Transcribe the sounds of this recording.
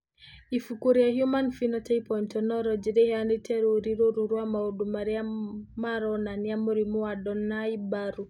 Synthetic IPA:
ifukuɾiahjumanfinɔtaipɔntɔnɔɾɔd͡ʒiɾehɛanitʰɛɾoɾiɾoɾuɾwamaodumaɾiamaɾɔnaniamoɾimuadɔnaibaɾu

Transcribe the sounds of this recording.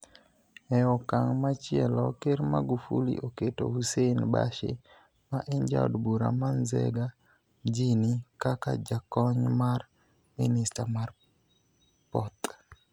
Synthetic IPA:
ɛɔkaŋmat͡ʃɪɛlɔ̰keɾma̰ɡufṵlḭʔoketo̰husenba̰ʃḛ | maʔɛnd͡ʒa̰dbuɾa̰manzɛ̰ɡa | d͡ʒinikaka̰d͡ʒakɔɲmar | mḭnɪstamar | pɔt̪

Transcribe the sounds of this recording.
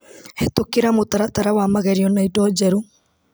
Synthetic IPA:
etokiɾamotaɾataɾawamaɣɛɾiɔnaidɔːd͡ʒɛɾu

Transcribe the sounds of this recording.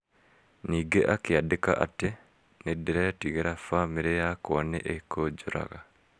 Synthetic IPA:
niːɡeʔakeadɪka̰ʔa̰te | nedeɾɛtiɡeɾafamiɾejakoaneʔekʰod͡ʒuɾʔa̰ɣa

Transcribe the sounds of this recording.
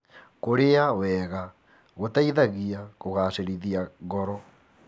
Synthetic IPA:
koɾeawɛɣa | ɣotaiðaɣiakoɣaseɾiðiaɣɔɾɔ

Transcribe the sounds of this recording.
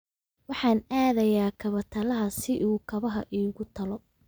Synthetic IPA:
wɑħɑːnaːðɐjaːkʰɐβɐt̪ʰɐlɐɦɐsɪʔuːkʰɐβɐɦɐ̰ʔiːɣʊt̪ʰɐlɔ

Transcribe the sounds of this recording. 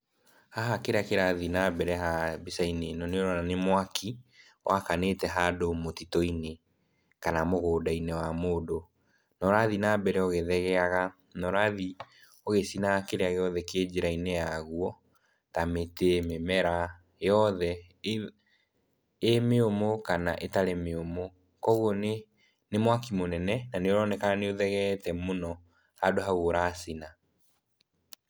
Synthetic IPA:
haɦakeɾeakeɾaðinabɛɾɛɦabisainenɔneoɾɔnanemwakʰi | wʔakanetɛɦadomotitoine | kanamoɣoːdainɛwamodo | nɔɾaðinabɛɾɛɔɣeðɛɣɛaɣa | nɔɾaði | oɣesinaakeɾeaɣeɔðɛked͡ʒeɾainejaɣuɔ | tametememɛɾa | jɔðɛ | emeomokanaʔetaɾemeomo | kɔɣwɔne | nemwakimonɛnɛnaneoɾɔnɛkaaneoðɛɣɛtɛmonɔ | hadoɦauoɾaːsina

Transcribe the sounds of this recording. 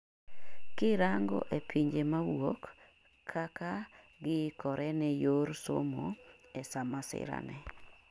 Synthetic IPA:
kɪɾaŋɡɔ̰ʔepʰiɲd͡ʒemawokʰː | aka | ɡɪkɔɾʔɛnɛjoɾso̰moɛsamasɪ̰ɾa̰nɛ

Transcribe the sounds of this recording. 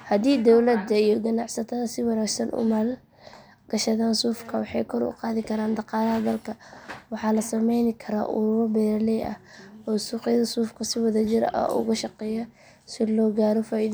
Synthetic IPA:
hɐd̪iːd̪ɔwlɐd̪ɐijɔɡɐnɑʕsɐt̪ʰɐðɐsɪwɑnaɡsɐnʔʊ̰mɐl | ɡ̥ɐʃɐðaːnsuːfkʰɐwɑħɑjkʰɔɾʊ̰qɑːðɪkʰɐɾaːnd̪ɑqɑːlɐɦɐd̪ɐlkʰɐwɑħɑːlɐsɐmɛjnɪkʰɐɾa̰ːʔʊ̰ɾʊɾɔbɛɾɐlɛjɐ̰hɔːsuːqɪjɐðɐsuːfkʰʊsɪwɑðɐd͡ʒɪɾɐ̰ʊ̰ɣʊʃɑqɛːjɔ | sɪlɔːɡaːɾɔfaːið

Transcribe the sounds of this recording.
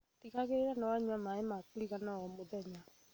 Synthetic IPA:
tiɣaɣeɾeɾanɔaɲwamaemakliɣanaɔmoðɛɲa

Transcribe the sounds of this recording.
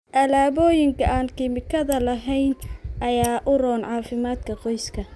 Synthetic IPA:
ʔɐlaːβɔːjɪŋkʰɐʔaːŋkɪmɪkʰɐðɐlɐɦɛjnʔɐjaːʔʊrɔːnʕɑːfɪmaːd̪kʰɐqɔjskʰɐ

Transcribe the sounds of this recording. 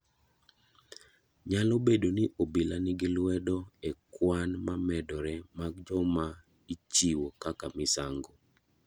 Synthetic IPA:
ɲalɔbedonɪʔobilanɪɡɪlwɛdɔɛkwanmamɛdɔɾɛmaɡd͡ʒɔma | it͡ʃiwokakamɪsaŋɡo

